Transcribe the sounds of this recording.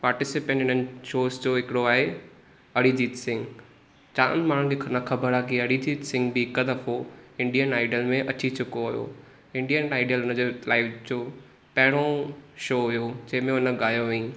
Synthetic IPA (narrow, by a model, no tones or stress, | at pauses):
paːɾʈɪsɪpẽɳʈɦɪnənɪ̆ʃoːsd͡ʑoːɦɪkɪɽoaːɦe | ɐɽid͡ʑiːt̪sɪ̃ŋɡ | t͡ɕaːʊ̰nmaːɽ̤ũkenɐkʰɐbəɾaːkiɐɽid͡ʑiːt̪sɪ̃ŋɡbikəd̪ɐfoɪ̃ɳɖijənaːɪɖəlmẽʔɐt͡ɕit͡ɕʰʊkoɦʊjo̰ | ɪ̃ɳɖijənaːɪɖijəlʊnəd͡ʑoːlaːɪʋd͡ʑoː | pɐɦɪɽ̃oʃoːɦʊjod͡ʑɐ̃ɦɪ̃mẽʊnə̆ɠaːjoʋeĩ